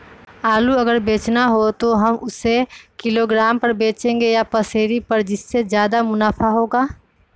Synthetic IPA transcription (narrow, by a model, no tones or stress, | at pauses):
aːluɐɡəɾbeːt͡ʃnaɦot̪oɦɐmʊsekɪloːɡɾaːmpɐɾbeːt͡ʃẽːŋɡejapɐseːɾipɐɾd͡ʒɪsːezjaːd̪amʊnaːfaɦoːɡaː